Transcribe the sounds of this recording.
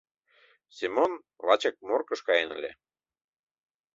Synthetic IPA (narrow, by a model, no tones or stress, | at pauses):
simʲon | lɑt͡ɕɑk̚morkɤ̆ʃkɑjenə̰lʲḛ